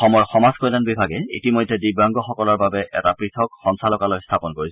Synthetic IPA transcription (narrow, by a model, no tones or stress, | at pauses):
ɔmɔjxɔmazkɔjlanbibʱaɡɛḭtimojdʱːɛdibaŋɡɔxɔkɔlɔɹbabɛʔɛ̰tapɹitʰɔkxɔnsʰalɔkalojstʰapɔnkoɹis